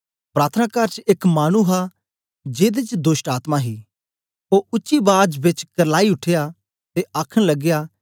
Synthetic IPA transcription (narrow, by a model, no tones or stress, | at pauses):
pɾaːt̪ʰənaːkaːɾt͡ʃeːkmaːñuɦa | d͡ʒeːd̪et͡ʃd̪oːsʈaːt̪maɦi | oʊʃibaːd͡ʒbɪt͡ʃkɐɾlaːiʊʈʰeja | t̪eaːkʰəɽ̃lɐɡɪjaː